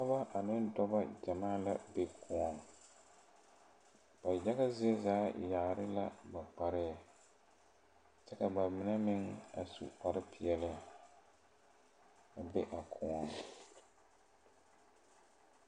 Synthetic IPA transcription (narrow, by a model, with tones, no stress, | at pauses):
pa˦ba˦ʔa˨nɪ˦ndɔ˦ba˦d͡ʒa˨maː˦la˦be˦kʰɔ˨˦ɔ˨n˨ | b̥a˨ja˦ɣa˦zɪ˦e˦zaː˨˦ja˨ɾɪ˦la˦ba˨k͡pa˨ɾɪ˦a˨ | t͡ʃɛ˦ka˨ba˨mɪ˨nɛ˦mɪ˦ŋa˨sṵ˨k͡pa˨ɾɪ˦pɪ˨ɛ˨lɪ˦˨ | a˨be˦ʔa˨kʰɔ˨ɔ˨n˨